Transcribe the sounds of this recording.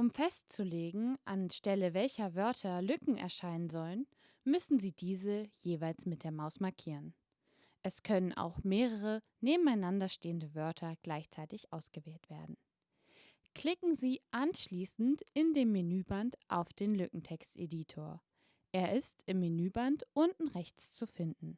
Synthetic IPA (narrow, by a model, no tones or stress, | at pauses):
ʔʊmfɛstt͡suleːɡŋ̩ʔanʃtɛləvɛlçɐvœɐtʰɐlʏkŋ̩ɛ̰ɐʃaɪnənzɔlən | mʏsn̩ziːdiːzəjeːvaɪlsmɪt̚d̥eːɐmaʊsmaɐkʰiːʁən | ʔɛskʰœnənʔa̰ʊxmeːʁəʁ̞ə | neːbm̩aɪnandɐʃteːəndəvœɐtʰɐɡ̥laɪçt͡saɪtɪçʔaʊsɡ̥əvɛːltv̥eːɐdn̩ | kl̥ɪkŋ̩ziːʔanʃliːsn̩tʔɪndeːmːenyːbantʔa̰ʊfd̥eːnlʏkŋ̩tʰɛkstʔḛditʰoːɐ | ʔeːɐʔɪstɪmːenyːbantʔʊntn̩ʁɛçt͡st͡sufɪndn̩